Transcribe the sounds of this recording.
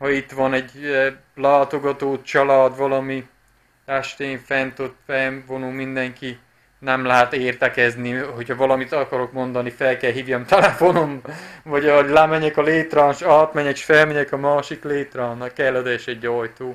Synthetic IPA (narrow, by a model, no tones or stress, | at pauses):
hɒit̪ʋɒnɛɟ | laːt̪o̞ɡɒt̪oːt͡ʃɒlaːd̪ʋɒlɒmi | ɛʃt̪eːɱfɛnt̪øt̪fɛɱvonoːmind̪ɛŋki | nɛmlɛɦɛt̪eːrt̪ɛkɛzniho̞chɒvɒlɒmit̪ɒkɒɾo̞kmo̞nd̪ɒnifɛlkɛlɦiːvjɒmt̪ɛlɛfo̞nomvɒɟlɛmɛɲɛkɒleːt̪rɒːnʃɒlɒt̪mɛɲɛkʃfɛlmɛɲɛkɒmaːʃikleːt̪rɒːnːɒkːɛlːod̪ɛɛʃɛɟojt̪oː